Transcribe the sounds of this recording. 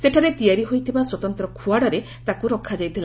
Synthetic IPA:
seʈʰaɾet̪ijaɾiɦojt̪ʰibaswɔt̪ɔnt̪ɾɔkʰuaɽaɾe | t̪akuɾɔkʰːad͡ʒajt̪ʰila

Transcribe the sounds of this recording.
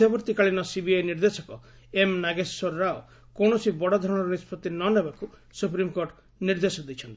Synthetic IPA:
ɔbɔɾt̪ikaɭinɔsibiajniɾd̪esɔkɔ | emnaɡesːoɾːao | konɔsibɔɽɔd̪ʱɔɾɔɽ̃ɔɾɔnispɔt̪ːinɔnebaku | supɾimkoɾʈ | niɾd̪esɔd̪it͡ʃʰɔnt̪i

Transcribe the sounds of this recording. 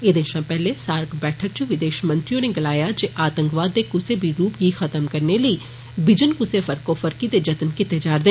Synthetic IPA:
eːd̪ẽːʃãːpɛːlesaːɾkʰbɛːʈʰək̚t͡ʃʊʋɪd̪eːʃmə̃nt̪ɾijõːneːɡɪlaːjaːd͡ʒeːʔaːt̪ə̃ŋkʋaːd̪ːeːkʊseːbʱiɾuːpjiːxət̪əmkəɾneləiː | bɪd͡ʒənkʊsefʰəɾkofʰəɾkid̪eːd͡ʒət̪nkɪt̪ed͡ʒaːɾd̪eː

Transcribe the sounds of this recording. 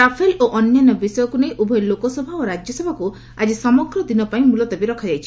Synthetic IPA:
apʰeloʔɔnjanɔbisɔjɔkunejʔubʱɔjlokɔsɔbʱaoɾad͡ʒjɔsebʱaku | ad͡ʒisɔmɔɡɾɔd̪inɔpaĩmulɔt̪ɔbiɾɔkʰad͡ʒajt͡ʃʰi̥

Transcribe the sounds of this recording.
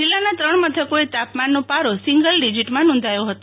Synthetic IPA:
d͡ʒilːanat̪ɾəɳmət̪ʰəkoet̪apmanːopaɾosiŋɡəlɖid͡ʒiʈmãnɔ̃nd̪ʱajoɦət̪o

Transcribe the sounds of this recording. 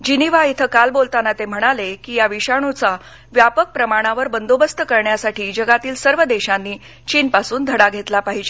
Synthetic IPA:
d͡ʑiniʋait̪ʰəkalbolt̪anat̪em̤əɽ̃alekiːjaʋiɕaɳ̃ut͡sa | ʋjapək̚pɾəmaɽ̃aʋəɾbənd̪obəst̪əkəɾɳjasaʈʰiːd͡ʑəɡat̪iːlsəɾʋəd̪eɕanːiː | t͡ɕiːnpasuːnd̪ʱəɽaɡʱet̪lapaɦid͡ʑe

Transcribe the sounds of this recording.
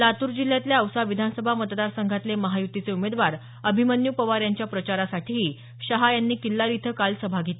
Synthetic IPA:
lat̪uːɾd͡ʑil̤ːjat̪ljaəwsaʋid̪ʱanəsəbʱamət̪d̪aɾsəŋɡʱat̪leməɦajut̪ːit͡seumed̪ʋaɾ | əbʱimənjupəʋaɾjaɲt͡ɕjapɾət͡ɕaɾasaʈʰiɦi | ɕəɦajanːiːkilːaɾit̪ʰəkalsəbʱaɡʱet̪e

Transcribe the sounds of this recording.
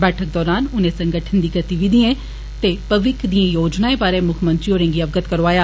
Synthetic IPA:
bɛːʈʰək̚d̪ɔːɾaːnʊnẽːsə̃ŋɡəʈʰənd̪iːɡət̪iʋɪd̪iẽː | t̪eːpəʋɪkʰd̪iãːjoːd͡ʒnaːebaːɾeːmʊkʰmə̃nt̪ɾioːɾẽːɡiːəbɡət̪kəɾoaːjaː

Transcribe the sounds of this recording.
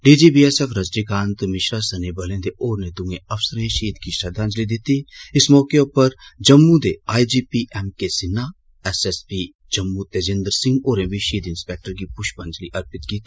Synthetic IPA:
ɖiːd͡ʒiːbiːɛsɛfʰɾəzʈikãːnt̪mɪʃɾaːsəneːbəlẽːd̪eʔoːɾneːd̪ũːẽːəfsəɾẽʃiːd̪kiʃɐd̪ʱãːnd͡ʒliːd̪ɪt̪iːɪsmɔːkeʊpəɾd͡ʒəmːud̪eːaːid͡ʒiːpiːʔɛːmkesɪnːaː | ɛsɛspiː | d͡ʒəmːut̪eːd͡ʒẽːnd̪əɾsɪ̃ŋɡoːɾẽːbiʃiːd̪ɪnspɛːk̚ʈəɾɡiːpʊʃbə̃nd͡ʒliːʔəɾpɪt̪̚kiːt̪i̥

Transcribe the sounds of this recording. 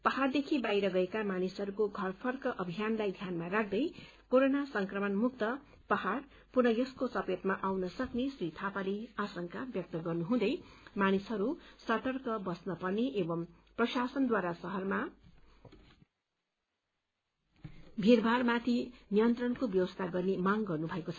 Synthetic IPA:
pʌɦhard̪ekʰibajɾʌɡʌekamanisɦʌɾukoɡʱʌrpʰʌrkʌʔʌbʱijanlajd̪ʱjanmaɾak̚ʰd̪ʌj | koɾonasʌŋkrʌmʌnmuk̚t̪ʌ | pʌɦar | purnʌjʌskosʌpet̪maʔawnʌsʌknesrit̪ʰapaleasʌŋkabjʌk̚t̪ʌɡʌrnuɦũd̪ʌjmanisɦʌɾusʌt̪ʌrkʌbʌsnʌpʌrneʔebʌm | prʌsasʌnd̪waɾasʌɦʌrma | bʱirbʱarmat̪ʰinijʌnt̪rʌnkobjʌwʌst̪ʰaɡʌrnemaŋɡʌrnubʱʌekot͡sʰʌ

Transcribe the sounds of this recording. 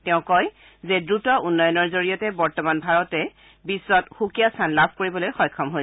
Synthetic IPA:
tɛʊ̃kɔj | zɛdɹutɔʔunːɔjɔnɔɹzoɹijɔtɛbɔɹtɔmanbʱaɹɔtɛ | bisːɔtxukijastʰanlabʱkoɹibɔlojxɔjkʰɔmɦoj

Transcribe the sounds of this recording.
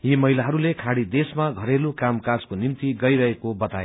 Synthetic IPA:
jimʌɦilaɦʌɾulekʰaɽid̪esmaɡʱʌɾelukamkad͡zkonimt̪iɡʌjɾʌɦekobʌt̪aje

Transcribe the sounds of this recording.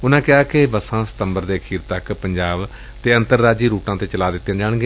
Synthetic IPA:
ʊnãːkɪaːkɪbəsãːsə̥t̪əmbəɾd̪eːəkʰiːɾt̪əkpəɲd͡ʒaːb | t̪eːənt̪əɾːaːd͡ʒiːɾuːʈãːt̪eːt͡ʃəlaːd̪ɪt̪ːẽãːd͡ʒaːɳ̃ɡeː

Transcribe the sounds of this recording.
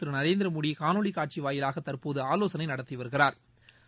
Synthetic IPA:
t̪ːɯɾɯnɐɾeːnd̪ɪɾɐmʊɽikaːnoːɭikaːʈ̚t͡ʃiʋaːjɪlaːɣɐt̪ɐrpoːðɯaːloːsɐnɐɪnɐɽɐt̪ːiʋɐɾɯɣɪraːɾ

